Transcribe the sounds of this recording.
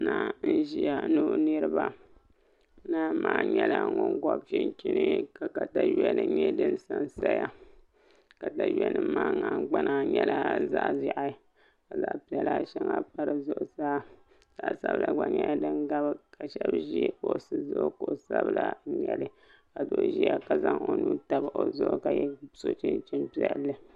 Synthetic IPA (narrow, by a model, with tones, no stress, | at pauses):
na˦n̩˦ʒi˦ja˨nu˦nɨ˦ɾɨ˦ba˨˦ | na˦maː˨˦˨ɲɛ˦la˨ŋɔ˦ŋɡɔ˦bfɪ˦nki˦nɨ˦ka˨ka˨ta˨jɛ˦nɨ˨ɲɛ˦dɨ˦n˦sa˦nsa˦ja˦ | ka˨ta˨jɛ˦nɨ˨maː˦ŋa˨˦ɡ͡ba˦nʔa˦ɲɛ˦la˦za˦ʔza˨ʔa˨˦ | ka˨za˦ʔpi˦ɛ˨la˦˨ʃɛ˦ŋa˦pa˦ɾɨ˨zʊ˦ʔsa˦˨ | z̥a˨˦˨sa˦bɨ˦la˨ɡ͡ba˨ɲɛ˦ja˦dɨ˦ŋɡa˦bɨ˦ka˨ʃɛ˦bʒi˦ko˨sɨ˦zʊ˦ʔo˦ko˨sa˦bla˦ɲɛ˨lɨ˦ | ka˨do˦ʔʒi˦ja˦ka˨za˦ŋo˨nu˦ta˦ba˨ʔo˨zʊ˦ʔo˦ka˨jɛ˦so˦t͡ʃɪ˦nt͡ʃi˦mpi˦ɛ˦lːɨ˦